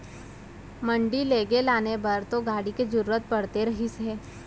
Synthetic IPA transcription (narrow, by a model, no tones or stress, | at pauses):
mə̃ɳɖileːɡelaːnebɐɾt̪oɡaːɽiked͡ʒʊɾuːɾət̪̚pɐɽt̪eɾɐɦisɦeː